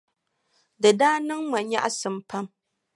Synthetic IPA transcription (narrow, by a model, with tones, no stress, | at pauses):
dɨ˨daː˦nɨ˦ŋma˨ɲɲa̰˦ʔa˦sɨ˨mpa˦m